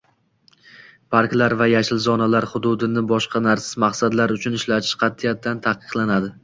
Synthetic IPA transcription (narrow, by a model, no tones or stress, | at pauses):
pʰaɾkʲlaɾvajaʃɪlzɒnalaɾχʊd̪ʊd̪ɪnɪbɒʃqʰɑnaɾsɪ̥zmaqsad̪laɾʊt͡ʃʰʊnɪʃlat̪ʰɪ̥ʃqʰɑt̪ʰːijat̪ʰːant̪ʰaqɨ̥qlˠanad̪ɪ